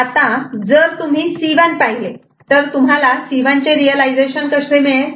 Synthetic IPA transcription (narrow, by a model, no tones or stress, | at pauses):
at̪ãd͡zəɾt̪um̤iːsiʋanpaɦile | t̪əɾt̪um̤alasiʋãɲt͡ɕeɾiəlajd͡zeɕənkəsemeɭe